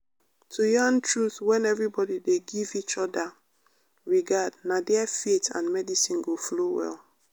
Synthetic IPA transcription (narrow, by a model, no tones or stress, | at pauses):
tʰujɔ̃ntɹuθwɛ̃nɛvɹibɔdideɡivit͡ʃɔda | ɹiɡadnadɛafetã̰nmɛdisĩnɡoflowɛ̰l